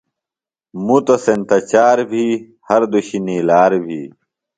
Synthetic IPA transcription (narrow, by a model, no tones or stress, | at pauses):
mut̪osent̪ɐt͡ɕaːɾbʱi | hɐɾd̪uɕinilaːɾbʱḭː